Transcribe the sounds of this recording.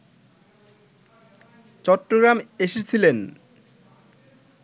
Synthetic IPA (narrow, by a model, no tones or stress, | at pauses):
t͡ɕɔʈːoɡɾameʃet͡ɕʰilen